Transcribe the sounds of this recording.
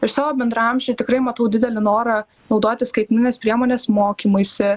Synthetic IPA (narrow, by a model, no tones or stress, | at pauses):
ɪɾsɑːʋoːbʲɛnd̪ɾɐɐmʲʒʲeɪt̪ʲɪkɾɐɪmɐt̪ɐʊd̪ʲɪd̪ʲɛlʲɪnoːɾɐ | nɒʊd̪oːt̪ʲɪskɐɪt̪ʲmʲnʲɪnʲeːspʲɾʲiɛmoːnʲeːsmoːkʲimʊɪsʲɪ